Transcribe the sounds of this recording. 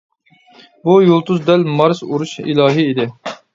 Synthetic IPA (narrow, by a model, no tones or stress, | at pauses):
bujolˠt̪ʰuzd̪ɛlmɑɾzuɾuʃḭlˠɑːɦiːd̪ɪ